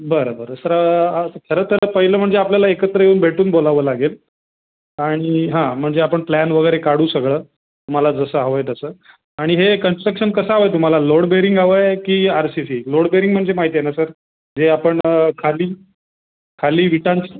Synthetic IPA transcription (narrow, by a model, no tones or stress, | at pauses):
bəɾobəɾəsəɾak̪ʰəɾət̪ʰəɾəpəɦiləːm̤əɳd͡zeapljalaekət̪ɾəɦjeuːnbʱeʈuːnbolaʋəːlaɡel | aɽ̃iɦãm̤əɳd͡zeapəɳplænʋəɡəɾekaɽ̤uːsəɡɭəː | t̪um̤alad͡zəsəɦaʋəjt̪əsəː | aɽ̃iɦekənsʈɾəkʂənkəsəɦaʋəjt̪̬um̤alaloɽbeɾiŋɡaʋəjkiːaɾsisiːloɽbeɾiŋɡm̤əɳd͡zemaɦit̪jenasəɾ | d͡zeapəɳkʰaliː | kʰaliːʋiʈãnt͡ɕi̥